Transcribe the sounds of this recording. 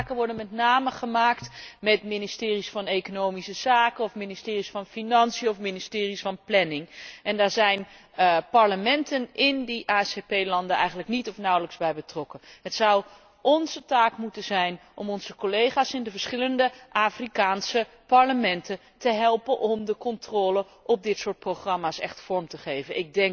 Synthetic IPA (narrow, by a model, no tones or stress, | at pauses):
kənʋɔɹdənmɛtnaːməχəmaːktmɛtmɪnɪstɪːrisfɑnejkonowmisəz̥aːkənɔfminɪstɪːrisfɑnfinɑnsijəɔfmɪnɪstɪːrisfɑnplɛnɪŋɛndaːɹzɛjn | pɑɹləmɛntənɪndiʔaːɛsepejlɑndənɛ̰jχənləknitɔfnʌwləkzbɛjbətrɔkənɦətsʌw | ɔnzətaːkmutənzɛjnʔɔ̰mɔnz̥əkolejχaːsɪndəvəɹsχɪləndəʔaːfrikaːnsə | pɑɹləmɛntə | təɦɛlˠpənʔɔmdəkɔntrɔːlə | ʔɔp̚dɪtsʊːɹt̚proχrɑmaːsɛ̰χtfɔɹmtəχejvənɪɡ̚dɛŋk